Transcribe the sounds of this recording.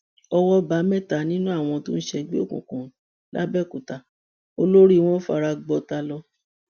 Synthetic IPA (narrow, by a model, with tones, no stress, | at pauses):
ɔ˧wɔ˦ba˨˦mɛ˦˨ta˨nĩ˦nũ˦a˦˨w̃ɔ̃˧tõ˦n̩˦ʃɛ˧ɡ͡be˦o̰˦˨kṵ̃˨kũ˨ | la̰˦bɛ˦˨ku˨ta˨ | o˧lo˦ɾi˦˨w̃ɔ̃˦fa̰˧ɾa˧ɡ͡bɔ˧ta˧lɔ˧